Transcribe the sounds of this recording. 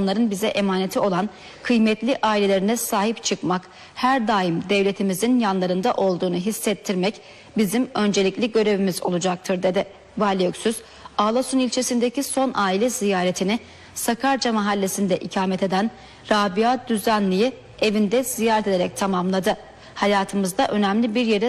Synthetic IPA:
nlˠaɾɯnbizɛʔemaːne̞t̪ʰio̞lˠan | kʰɯjmɛt̪lʲiʔaːilʲe̞lʲe̞ɾinɛsaːɦipt͡ʃʰɯkmak | hæɾd̪aːimd̪ɛvlʲe̞t̪ʰimizinjanlˠaɾɯnd̪aʔo̞lˠd̪uːnuɦisːɛt̪ʰːiɾmɛc | bizimø̞nd͡ʒe̞lʲiclʲiɟø̞ɾe̞vimizo̞̰lˠud͡ʒak̚t̪ʰɯɾd̪e̞d̪ɪ | valʲiøcsyz̥ | aːlˠasunilʲt͡ʃʰe̞sind̪eciso̞nʔaːilʲɛzijaːɾet̪ʰinɪ | sakʰaɾd͡ʒamaɦalʲːe̞sind̪ɛʔicʰaːmɛt̪ʰe̞d̪æn | ɾaːbiad̪yzænlʲiji | e̞vind̪ɛz̥ijaːɾɛt̪ʰed̪eɾɛc̚t̪ʰamamlˠad̪ɯ | hajaːt̪ʰɯmɯzd̪aʔø̞næmlʲibiɾje̞ɾɛ

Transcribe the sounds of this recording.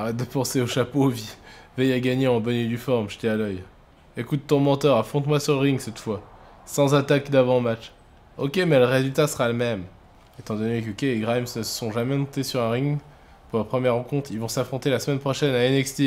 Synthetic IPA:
aʁɛt̪̚d̪əpɑ̃seoʃapovivɛjaɡaɲeɑ̃bɔned̪yfɔʁmʒəd̪ialœj | ekut̪ːɔ̃mɑ̃t̪œʁafχɔ̃t̪mwasyʁləʁiŋsɛt̪fwa | sɑ̃zat̪akd̪avɑ̃mat͡ʃ | ɔkʲemɛləʁezylt̪asəʁaləmɛm | et̪ɑ̃d̪ɔnek̬okʲeeɡʁajmsnəsəsɔ̃ʒamɛnɔ̃t̪esyʁɛ̃ʁiŋ | puləpχəmjɛʁːɑ̃kɔ̃t̪χilvɔ̃safχɔ̃t̪elasəmɛnpχɔʃɛnaɛnɛkst̪i

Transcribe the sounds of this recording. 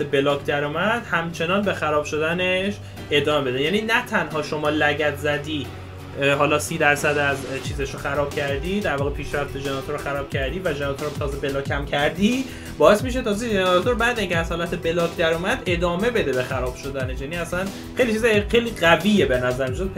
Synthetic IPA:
ebe̞lɒːkʰd̪æɾumæd̪̥hæmt͡ʃʰe̞nɒːnbe̞xæɾɒːb̥ʃo̞d̪æneʃ | e̞d̪ɒːmebe̞d̪ejæːniːnæt̪ʰænhɒːʃo̞mɒːlæɟæt̪ʰzæd̪iː | ɦɒːlɒːsiːd̪æɾsæd̪æzt͡ʃʰiːzeʃɾoxæɾɒːb̥̚cʲʰæɾd̪iːd̪æɾvɒːɣepʰiːʃɾæft̪e̞ʒenɒt̪ʰoɾoxæɾɒːb̥cʰæɾd̪iːvæʒenɒt̪ʰoɾot̪ʰɒːzebe̞lɒːkʰæmcʰæɾd̪iː | bɒːe̞smiʃ̬et̪ʰɒːzeʒent̪ʰoɾbæd̪eiːŋcʰeæz̥hɒːlæt̪ʰebe̞lɒːkʰd̪æɾumæd̪e̞d̪ɒːme̞be̞d̪ebe̞xæɾɒːb̥ʃo̞d̪æne̞ʃjæːniːæsæn | χejlit͡ʃʰizxejliːɣæviːjebenæzæɾmiʃod̪̚

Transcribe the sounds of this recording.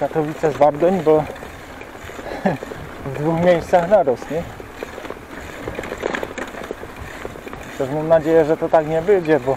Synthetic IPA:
kat̪ɔvʲit̪sɛzvaɾd̪ɔɲbɔ | vd̪vuxmʲjejst̪saxnaɾɔsɲɛ | t̪ɛʂmamnad͡ʑejɛʐɛt̪ɔt̪akɲɛbɘd͡ʑɛbɔ

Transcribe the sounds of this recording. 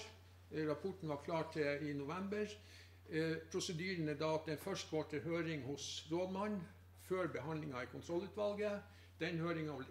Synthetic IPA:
ɾɑpʰɔʈɳ̩ʋɑkʰlɑːʈʰɪɪnʊʋɛmbəɾ | pʰɾʊsəd̪yːɾənəd̪ɑːɑt̪̚d̪ɛɪnfœʂʈɡoːʈəhøːɾɪŋhʊsɾoːd̪mɑnː | føːɾbɛɦɑnd̪lɪŋɑɪkʰʊnt̪ʰɾɔlːʉːt̪ʋɑlɡə | d̪̥ɛnhøːɾɪŋɑʋl

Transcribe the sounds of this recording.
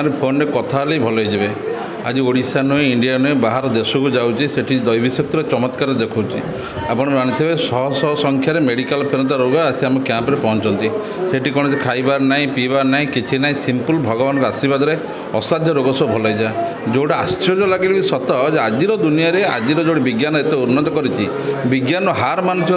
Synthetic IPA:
ɾepʰonɔɖekɔt̪ʰaleibʱɔlɔid͡ʒibe | a̰d͡ʒioɽisanueiɳɖijanuebaɦaɾɔd̪esɔkud͡ʒawt͡ʃʰiseʈʰid̪ɔjbʱisjɔk̚t̪iɾet͡ʃɔmɔt̪kaɾɔd̪ekʰuwt͡ʃʰi | apɔɽ̃d͡ʒaɽ̃it̪ʰibesɔɦɔsɔɦɔsɔŋkʰjaɾemeɽikalpʰeɾɔt̪̬aɾoɡɔasiamɔkjampɔɾepɔɦɔnt͡ʃɔnt̪i | seʈikɔɽ̃esekʰajbaɾnaĩpibanaĩkit͡ʃʰinaĩsimpulbʱɔɡɔbanɔkɔasibad̪ɔɾe | ɔsad̪ʱjɔɾoɡɔsɔbʱɔlajd͡ʒa | d͡ʒowɽiastʰɔd͡ʒɔlaɡibebisɔt̪ɔd͡ʒead͡ʒiɾɔd̪unijaɾea̰d͡ʒiɾɔd͡ʒoɽibiɡjanɔet̪euɾnɔt̪ɔkɔɾit͡ʃʰi | biɡjanɔɦaɾmanusʰj

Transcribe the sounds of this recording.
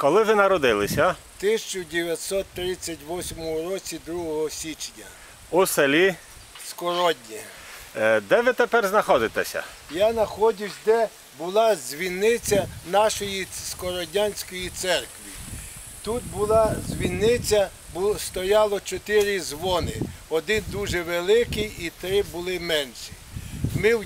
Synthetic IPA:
kɔlˠɪʋɪnɐɾɔd̪ɪlˠɪsʲɐ | t̪ɪsʲt͡ʃʊdʲeʋʲjɐt̪sɔt̪ːɾɪt͡sʲːɐtʲʋɔsʲmɔmʊɾɔt͡sʲid̪ɾuɦɔɦɔsʲit͡ʃnʲɐ | uselʲi | skɔɾɔdʲnʲi | d̪ɛʋɪt̪epɛrznɐxɔd̪ɪt̪ɛsʲɐ̰ | jɑnɐxɔdʲʊsʲd̪ɛ | bʊlˠɑzʲʋʲinːɪt͡sʲɐnɑʃɔjiskɔɾɔdʲɑnʲsʲkɔjit̪sɛrkʋʲḭ | t̪ut̪̚bʊlˠɑzʲʋʲinːɪt͡sʲɐ | bst̪ɔjɑlˠɔt͡ʃɔt̪ɪɾizʋɔnɪɔd̪ɪnd̪uʒɛʋelˠɪkɪjit̪ɾɪbʊlˠɪmɛnʃi | mɪw

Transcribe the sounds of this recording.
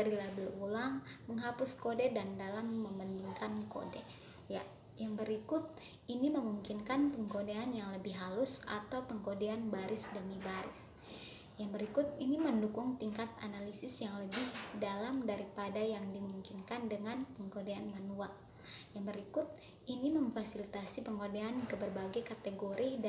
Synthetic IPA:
daɾilabɪlulaŋməŋɦapʊskodɛdandalamːəməndiŋkanko̰dɛ | ja | jaŋbəɾikʊt̪̚ | iniməmuŋkinkanpəŋkodeanjaŋləbɪɦɦalʊsa̰t̪awpəŋkodeanbaɾɪsdəmibaɾɪ̰s | jaŋbəɾikʊt̪̚iniməndukʊŋt̪iŋkat̪̚a̰nalisɪsjaŋləbɪhdalamdaɾipadajaŋdimuŋkinkandəŋanpəŋkodeanmanual | jaŋbəɾikʊt̪̚ | iniməɱfasilit̪asipəŋkodeankəbərbaɡajkat̪eɡoɾid

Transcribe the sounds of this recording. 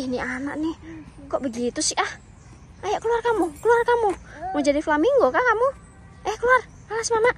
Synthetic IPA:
ihniana̰ʔnihkɔʔbəɡit̪usɪʔah | ajaʔkəluarkamukəluarkamuŋɔd͡ʒadiflamiŋɡokakamu | ajaʔkəluar | alasmanaʔ

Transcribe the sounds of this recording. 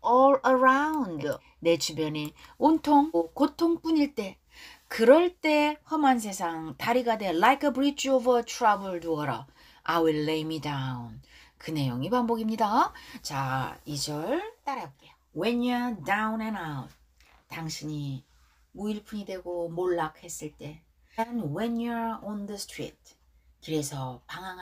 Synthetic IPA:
ɔɭəɾaund | ne̞t͡ɕubjʌneontʰoŋokotʰoŋp͈uɲiɭt͈e̞ | kɯɾʌɭt͈e̞hʌmans̬ʰe̞sʰaŋtaɾiɡade̞lajkʰʌbɾit͡ɕʰovʌtʰuɾabɯɭduʌɾʌ̰ | ajwilːejmidaun | kɯne̞joŋibanbʌɡimɲidat͡ɕaid͡ʑʌɭt͈aɾak͈ejoweɲʌdawnenawt | taŋɕʰiɲi | uiɭpʰuɲidwe̞ɡomoɭːak̚he̞s͈ɯɭt͈e̞ | anwenʌɹɔndʌstʰɾḭt̚ | kɯɾe̞sʰʌpaŋaŋ

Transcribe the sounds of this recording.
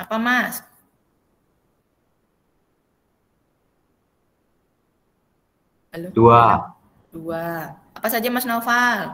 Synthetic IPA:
apamas | alodua | dua | apasad͡ʒamasnaufal

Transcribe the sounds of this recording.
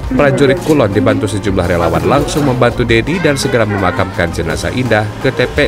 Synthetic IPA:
pɾad͡ʒuɾɪt̪̚kulɔndibant̪usəd͡ʒumlahɾela̰wa̰nlaŋsʊŋməmbant̪udedidansəɡəɾaməmakamkand͡ʒəna̰sa̰ʔindahkɨt̪ɛpɛ

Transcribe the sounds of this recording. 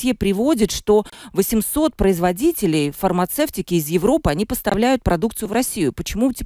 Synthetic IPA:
epɾʲɪvo̞dʲɪt̪ʂt̪o̞vəsʲɪmso̞t̪̚pɾəɪzvɐdʲitʲɪlʲɪjfərmɐt̪sɛftʲɪkʲɪːzjɪvɾo̞pɨɐnʲipəst̪ɐvlʲæjʊt̪̚pɾɐd̪ukt̪sɨjʊvɾɐsʲːijʊpət͡ɕɪmutʲ

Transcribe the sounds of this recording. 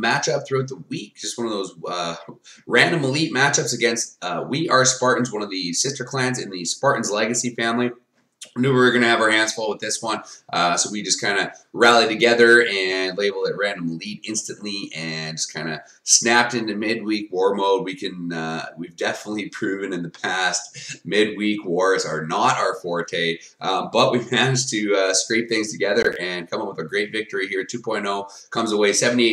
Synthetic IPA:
mæt͡ʃʌp̚θɹʉaʊt̪̚ðəwik̚d̥ʒ̥ʌst̚wʌ̃nʌvðoʊzʌɹæ̃ndə̃məlit̚mæt͡ʃʌpsɨɡɛ̃nst̚ʌwiʔə˞spɑɹʔn̩zwʌ̃nʌvðɨsɪstə˞kʰl̥æ̃nzɨ̃nðɨspɑɹʔn̩zlɛɡɨsifæ̃mli | nʉwə˞ɡʌñɨɨvə˞æ̃nsfɔlˠwəðɪswʌ̃nʔʌsoʊwid͡ʒʌskʰãɪ̃ndɨɹælˠiɾɨɡɛðə˞ɨ̃nleɪbl̩ˠðɨt̚ɹæ̃ndə̃məlˠiɾɪ̃nstɨ̃nʔliɨ̃nd͡ʒʌskʰãɪ̃ndɨ | snæp̚tɪ̃ntɨmɪd̚wikwɔɹmoʊd̚wikʰɨ̃nʌwivdɛfənətˡlipʰɹ̥ʉvɨ̃nɨ̃nðɨpʰæst̚mɪd̚wikwɔɹzə˞nəɾaʊə˞fɔɹtʰeɪ | ʔbʌʔ̚wiæ̃nz̥tʰɨʌskɹeɪp̚θɪ̃ŋz̥tʰɨɡɛðə˞ʔɨ̃nkʰʌ̃mʌ̃mwəðɨɡɹeɪtvɪk̚tə˞ihiɹtʰʉpʰɔ̃ɪ̃noʊ | kʰʌ̃mzəweɪsɛvɨn̩tieɪ

